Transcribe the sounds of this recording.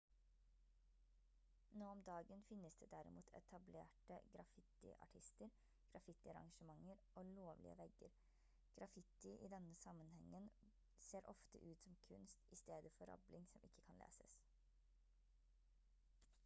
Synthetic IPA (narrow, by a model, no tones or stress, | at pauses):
noːɔmd̪ɑːɡənfɪnːəsd̪eːd̪æɾɪmṵːt̪ʰɛ̰t̪ʰɑblḛːʈəɡɾɑfɪt̪ɪ̰ʔɑ̰ʈʰɪst̪əɾ | ɡ̥ɾɑfɪt̪ɪɑɾɑ̰ŋʂəmɑŋːəɾʔoːloːʋlɪ̰ə̰ʋɛɡəɾ | ɡ̥ɾɑfɪt̪ɪʔḭːd̪ɛnːəsɑmənhɛŋːən | seːɾʔɔft̪ə̰ʔʉːt̪sɔmkʰʉnst̪ʔɪst̪eːd̪əfɔɾɑ̰blɪŋsɔmʔɪkːə̥kʰɑnlḛːsəs